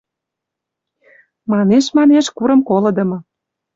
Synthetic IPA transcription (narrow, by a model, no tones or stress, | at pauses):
mɑneʃmɑneʃkuɾə̆mkolɤ̆d̪ə̆mɤ̆